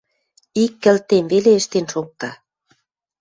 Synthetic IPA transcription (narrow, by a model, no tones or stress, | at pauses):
ikːə̆lt̪emβeleəʃt̪enʃok̚t̪ɑ